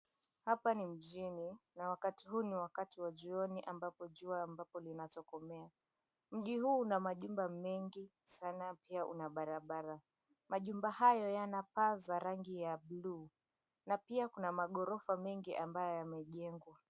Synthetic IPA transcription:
hapanim̩ʄininawakatiɦuːniwakatiwaʄiɔniʔambapɔʄuaːmbapɔlinat͡ʃɔkɔmɛa | m̩ʄiɦuːnamaʄumbamɛŋɡi | sanapiaʔṵnaɓaɾaɓaɾa | maʄumbahajɔjanapazaɾaŋɡijabluː | napiakunamaɠɔɾɔfamɛŋɡiʔambajɔjamɛʄɛŋɡwa

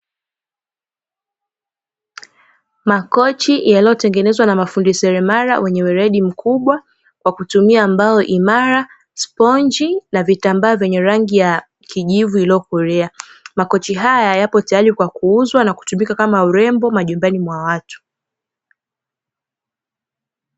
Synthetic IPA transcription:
makɔt͡ʃijalijɔtɛŋɡɛnɛzwanamafundisɛɾɛmaɾa̰wʔɛɲɛwɛɾɛɗim̩kʰuɓwa | kwakutumiambaɔʔimaɾa | spɔnd͡ʒinavitambaːvjɛɲɛɾaŋɡija | kiʄivuiliɔkɔɾɛamakɔt͡ʃiɦajajajapɔtajaɾikwakuuzwanaku̥tumikakamauɾɛmbɔmaʄumbanimwawatu̥

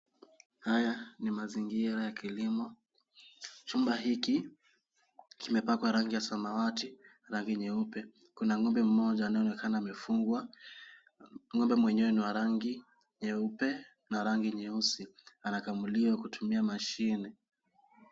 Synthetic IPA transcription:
hajanimaziŋɡiɾajakilimɔ | t͡ʃumbaɦiki | kimɛpakwaɾaŋɡijasamawati | ɾaŋɡiɲɛupɛ | kunaŋɔmbɛm̩mɔʄaːnajɔnɛkʰanaːmɛfuŋɡwa | ŋɔmbɛmwɛɲɛwɛniwaɾaŋɡi | ɲɛupɛ | naɾaŋɡiɲɛusianakamuliwakutʰumiamaʃinɛ

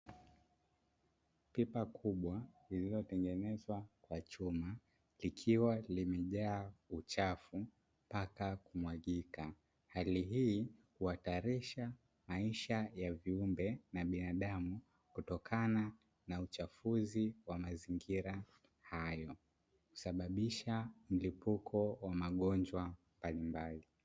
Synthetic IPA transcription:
pipakʰuɓwa | ililɔtɛŋɡɛnɛzwakwat͡ʃuma | likʰiwalimɛʄaːut͡ʃafu | pakakumwaɠika | haliɦiːhuhataɾiʃa | maiʃajaviumbɛnaɓinaɗamu | kutɔkʰana | naut͡ʃafuziwamaziŋɡiɾa | hajɔ | ku̥saɓaɓiʃam̩lipukʰɔwamaɠɔnd͡ʒwambalimbali

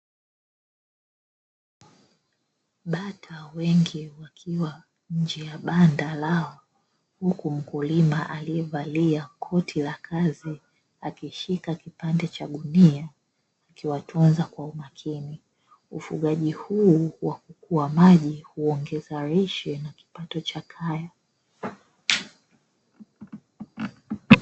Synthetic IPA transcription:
ɓatʰawɛŋɡiwakʰiwa | ɲ̩d͡ʒɛjaɓandalaɔ | hukum̩kulimaʔaliɛvaliakʰɔtʰilakʰazi | akiʃikakipandɛt͡ʃaɗuniaː | kiwatʰɔnzakwaumakʰini | ufṵɠaʄihuːwakukuwamaʄihuɔŋɡɛzaɾɛʃɛnaki̥patɔt͡ʃakʰaja

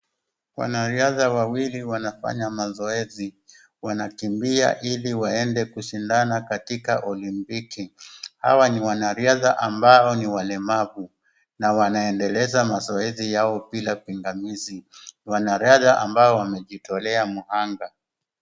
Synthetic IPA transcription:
wa̰naɾiaðawawiliwanafa̰ɲamazɔɛzi | wanakimbia̰ʔiliwaɛndɛkuʃindanakatikaʔɔlimpikiha̰waniwanaɾiaðaʔambaɔniwalɛmavu | nawanaɛndɛlɛzamazɔɛzijaɔpilapiŋɡamizinwanaɾiaðaʔambaɔwamɛʄitɔlɛamuhaŋɡa

